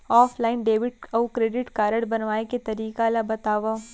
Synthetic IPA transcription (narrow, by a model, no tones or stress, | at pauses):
ɔːfʰlaːɪnɖeːʋɪʈɐkɾeːɖɪʈkaːɾəɽbɐnʋaːeket̪ɐɾiːkalabɐt̪aːʋaː